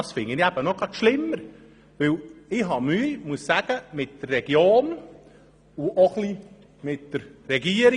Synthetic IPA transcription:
ɑsfɪŋənæb̥ənɔɡɑʃlɪmːəɾ | ʋɪlɪɦɑmyːmuəsːæɡ̥əmɪtd̥ərːɛɡjoːn | uʔoχli | mɪtd̥əɾːɛɡiəɾ

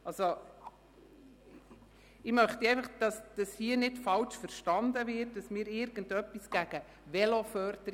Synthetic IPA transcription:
ʔɑso | ɪmœχt̪iɛɪfɑχd̥ɑsd̥ɑshiənɪtfɑlt͡ʃfəɾʃtɑnd̪əvɪrt̚d̥ɑsmɪːɾɪɾɡ̥əndœpːisɡ̥æɡ̥ə | ʋɛlofœɾdəɾ

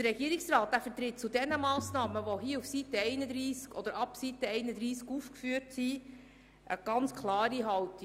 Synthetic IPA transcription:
dəɾɛɡ̥iəɾiksɾɑːt̚d̥æːfət̪ɾɪt̚t͡sudɛnəmɑːsnɑːməʋoɦiəufsit̪əɛɪnəd̪ɾiːskɔd̥̪əɾɑpsit̪əɛɪnəd̪ɾiːskufkfyːɾtsi | ʔəɡ̥ɑnt͡skʰlˠɑːɾiɦɑwti

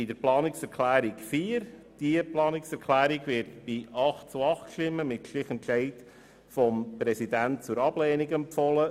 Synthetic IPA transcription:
ɪd̥əɾplɑːnɪksɛɾkʰlæːɾikfiːəɾd̥iəplɑːnɪksɛɾkʰlæːɾiɡʋɪɾtb̥iɑχt̚t͡suɑχtkʃtɪmːəmɪtʃlɪχɛntʃɛɪt | fɔmpɾɛsidænt̚t͡sʊɾɑb̥lɛːniɡɛmpfɔlə

